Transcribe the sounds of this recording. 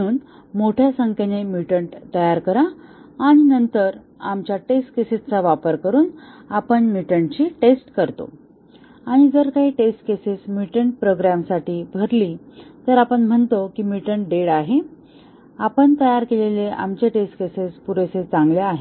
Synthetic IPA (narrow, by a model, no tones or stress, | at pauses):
uːn | moʈʰjasəŋkenemiʈəɳʈt̪əjaɾkəɾaaɽ̃inənt̪əɾ | amt͡ɕjaʈesʈkesed͡zt͡saʋapəɾkəɾuːnapəɳmiʈəɳt͡ɕiːʈesʈkəɾt̪o̰ | aɽ̃id͡zəɾkaɦiːʈesʈkesesmiʈəɳʈ̚pɾoɡɾamsaʈiːbʱəɾlit̪əɾapəɳm̤əɳt̪okiːmiʈəɳʈɖeɽaɦe | apəɳt̪əjaɾkeleleʔa̰mt͡ɕeʈesʈkesespuɾeset͡saŋɡljaːɦe